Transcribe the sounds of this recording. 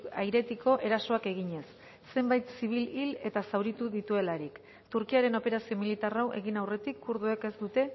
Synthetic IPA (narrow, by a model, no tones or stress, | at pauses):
ajɾe̞t̪iko̞ʔe̞ɾasoake̞ɣ̞iɲe̞sː | e̞mbajt̪siβ̞ilile̞t̪asawɾit̪uðit̪ue̞laɾik | t̪uɾkiaɾe̞no̞pe̞ɾasio̞milit̪arawʔe̞ɣinawre̞t̪ikʰːuɾð̞ueke̞zd̪ut̪e̞